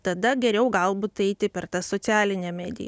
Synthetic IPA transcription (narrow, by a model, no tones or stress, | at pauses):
t̪ɐd̪ɐɡʲɛɾʲɛʊɡɐlˠbuːt̪ɛɪt̪ʲɪpʲɛrt̪ɐsoːsʲæːlʲɪnʲɛmʲæːd̪ʲɪ̰jɛ̰